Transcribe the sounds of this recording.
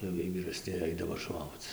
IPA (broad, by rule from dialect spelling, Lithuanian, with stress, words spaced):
jɛʊ ˈjiɛj ʋʲiːrɐˈsʲnʲɪ ˈɐɪdɐʋoː ˈʃoːkt͡s